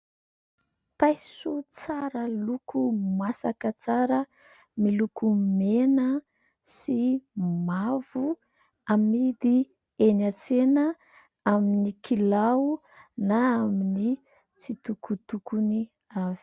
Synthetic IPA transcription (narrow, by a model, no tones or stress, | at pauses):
pajsut͡saɾəlukʰumasakət͡saɾə | milukumenə | simav̥u | amid̪i | enat͡senə | aminikʰilaw | naamini | t͡sit̪ukut̪ukuni | avi̥